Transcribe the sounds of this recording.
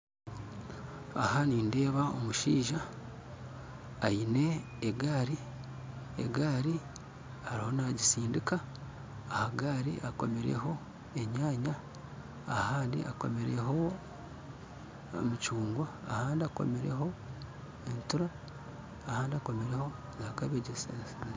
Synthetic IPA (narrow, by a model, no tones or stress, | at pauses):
a̰haniːnde̞ːβao̰muʃiːʒa | ine̞ː | ɡaːɾi | ḛɡaːɾi | haɾiho̞naɟisiːndikaː | haɡaːɾḭʔako̞̰me̞ɾe̞̰ɦo̞ | e̞ɲaːɲaː | haːndḭʔa̰ko̞̰me̞ɾeɦo̞ | mut͡ʃuːŋɡwaːhaːndiako̞̰me̞ɾḛɦo̞ | entuɾaː | haːndiako̞me̞ɾeho̞ | zakaβeɟesensa